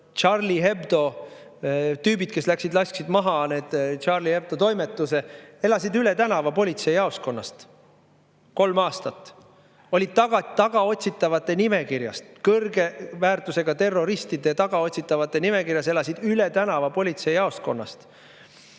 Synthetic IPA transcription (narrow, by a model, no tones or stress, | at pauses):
t͡ʃɑrliɦe̞bd̪̥o̞ | t̪yːbid̪̥ke̞slæksid̪lɑsksid̪mɑɦɑne̞ːd̪̥t͡ʃɑrlihe̞b̚d̪̥o̞t̪o̞jme̞t̪ːˑuse̞e̞lɑsid̪ylet̪ænɑvɑpo̞lʲit̪se̞jɑo̞sko̞nːɑ̰st̪ | ko̞lmɑːst̪ɑt̪ːˑ | o̞lʲid̪̥̚t̪ːɑɡ̥ɑt̪ɑɡ̥ɑo̞t̪ʲsit̪ːˑɑvɑt̪ːˑe̞nime̞kirjɑ̰st̪kɤrɡe̞væːrt̪use̞ɡ̥ɑt̪e̞rːo̞ɾist̪id̪eɑt̪ɑɡ̥ɑo̞tʲsit̪ːˑɑvɑt̪ːˑe̞nime̞kiɾjɑs̬e̞lɑsid̪̥ylet̪ænɑvɑpo̞lʲit̪se̞jjɑo̞sko̞̰nːɑ̰st̪